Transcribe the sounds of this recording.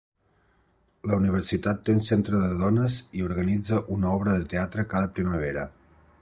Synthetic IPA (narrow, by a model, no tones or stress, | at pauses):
ləuniβ̞əɾsit̪at̪ːeunsent̪ɾəðəðɔnəziuɾɣənid͡zəʔunəɔβɾəðət̪eat̪ɾəkaðəpɾiməβ̞eɾə